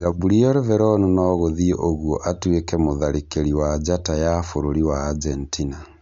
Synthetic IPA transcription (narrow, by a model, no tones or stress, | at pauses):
zabuɾiɔɾevɛɾɔnunɔɣoðieʔoɣwɔʔatwekɛmoðaɾekeɾiwad͡ʒatajafoɾoɾiwaːd͡ʒentʰina